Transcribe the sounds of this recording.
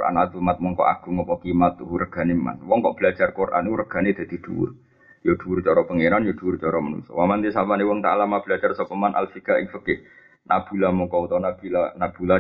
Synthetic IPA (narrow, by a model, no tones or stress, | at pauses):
ʔa̰nat̪umat̪̚mɔŋkɔ̰ʔa̰ɡ̥ṳŋɔpɔkimat̪uɦurəɡ̥a̤nema̰nwɔŋkɔʔb̥əlad͡ʒarkorʔa̰nurəɡ̥a̤ned̪̥a̤d̪̥i̤d̪̥ṵwʊ̰r | jod̪̥uʊrt͡ʃɔɾɔpəŋeɾanjod̪̥uwʊrt͡ʃɔɾɔmənṵsɔ̰wamant̪isapanewɔŋt̪a̰ʔlamab̥əlad͡ʒarsɔpəmanʔa̰lfikaʔɪŋfəkɪ | nʔab̥ṳlamɔkɔut̪ɔnab̥ilanab̥ula